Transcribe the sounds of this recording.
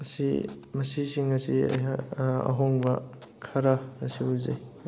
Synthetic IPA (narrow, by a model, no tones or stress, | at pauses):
mɐsḭmɐsisiŋɐsiɐ̰ɦaɐ̰ɦoŋbɐ | kʰɐɾaːsiuzej